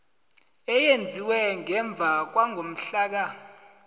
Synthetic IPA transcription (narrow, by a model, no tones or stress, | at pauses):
ɛjend͡zʱiwɛŋɛɱb̪vʱak̬waŋʱom̩ɬaːk̬a